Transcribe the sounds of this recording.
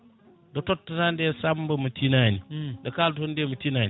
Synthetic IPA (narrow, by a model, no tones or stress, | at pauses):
dɐtotːɐnandesambɐmɐtinanidɐkaldondemɐtinan